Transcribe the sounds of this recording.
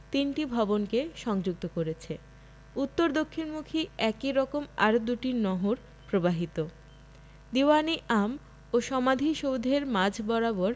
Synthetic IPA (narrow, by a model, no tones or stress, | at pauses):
t̪inʈibʱɔbonkeʃɔŋd͡ʑuk̚t̪okoɾet͡ɕʰe | ut̪ːoɾd̪okʰːinmukʰiɛkiɾɔkomaɾod̪uʈinɔɦoɾ | pɾobaɦit̪o | d̪iwaniʔam | oʃɔmad̪ʱiʃowd̪ʱeɾmad͡ʑʱbɔɾaboɾ